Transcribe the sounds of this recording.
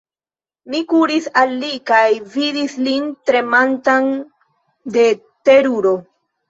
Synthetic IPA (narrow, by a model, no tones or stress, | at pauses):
mikuɾisalːikajvidislintɾe̞mantan | de̞ | teɾuɾo̞